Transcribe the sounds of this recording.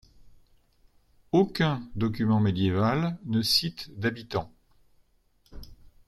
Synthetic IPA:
okʲɛ̃d̪ɔk̬ʲymɑ̃med̪jevalnəsit̪d̪abit̪ɑ̃

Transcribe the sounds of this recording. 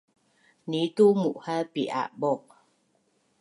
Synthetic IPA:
nitumuʔhapiʔa̰ʔbɔ

